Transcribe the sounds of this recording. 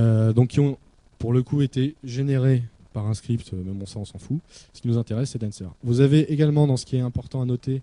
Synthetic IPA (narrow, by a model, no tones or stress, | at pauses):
ød̪ɔ̃kʲːiɔ̃ | puʁləkʰuet̪eʒeneʁe | paʁɛ̃skχipt̪ømɛmɔ̃sɑ̃ɔ̃sɑ̃fusə̥kʲinuzɛ̃t̪eʁɛsːɛd̪ɛ̃nsɛ̰ʁvuzaveʔeɡalmɑ̃d̪ɑ̃sə̥kʲiɛt̪ɛ̃pɔʁt̪ɑ̃anɔt̪e